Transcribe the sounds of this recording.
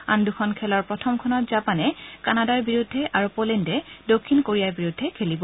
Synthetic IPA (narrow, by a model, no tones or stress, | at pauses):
a̰ndukʰɔnkʰɛlɔɹpɹɔtʰɔmkʰɔnɔtzapanɛkanadaɹbiɹudʱːɛʔaɹupolɛndɛdokʰːinkoɹijaɹbiɹudʱːɛkʰelibɔ